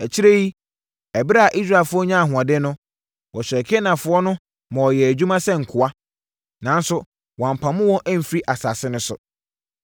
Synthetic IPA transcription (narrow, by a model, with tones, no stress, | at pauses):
æ˨t͡ɕʰi˦ɾe˦ji˦ | ɛ˨bɾa˦a˨ʔi˦s̬ɾa˦˨e˨lfʊ˦ɔ˦ɲã˦a˨ɦʊ̃˨ã˨dɪ˦nʊ̃˦ | wɔ˨ɕᶣɛ˨kʰe˦nã˨fʊ˨ɔ˦nʊ̃˦ | mɔ̃˨wɔ˨jɛ˨æ˨d͡ʑᶣu˦mã˦sɛ˦ŋ̩˨kʰʊ˨a˦ | nã˨n˦sʊ˦ | wɔ̃˨m̩˨pʰã˨mʊ̃˦wɔ̃˦ʔæ˦m̩˨fɾi˦ʔa˨sa˨sɪ˦nʊ̃˦sʊ̰˨